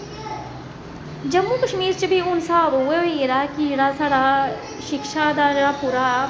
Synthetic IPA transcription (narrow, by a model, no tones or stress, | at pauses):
d͡ʒɐmːuːkəʃmiːɾt͡ʃəbʱiʊnsaːbueeɾaːkid͡ʒeɽasaːɽa | ʃɪkʃad̪aːd͡ʒeɽapuːɾa